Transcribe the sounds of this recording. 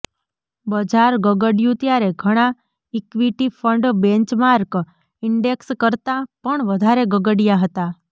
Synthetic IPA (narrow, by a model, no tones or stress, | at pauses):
bəd͡ʒaɾɡəɡəɽijũt̪jaɾeɡʱəɽ̃ã | ikʋiʈifʰəɳɖbẽnt͡ʃmaɾk | ɪɳɖekskəɾt̪apəɳʋəd̪ʱaɾeɡəɡəɽijaɦət̪a